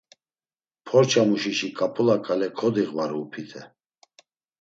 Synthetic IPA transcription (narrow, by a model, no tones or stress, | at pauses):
pʰɔɾt͡ʃʰamuʃiʃikʼapʰulakʼalɛkʰɔd̪iɣvaɾuːpʰit̪ʰɛ